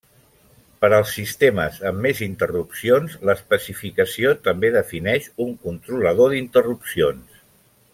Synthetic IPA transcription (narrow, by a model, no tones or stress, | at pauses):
pəɾəlˠsːist̪emə̰zəmːezint̪ərupsionzləspəsifikəsiot̪əmbeðəfinɛʃuŋkunt̪ɾuləð̞oðint̪ərupsions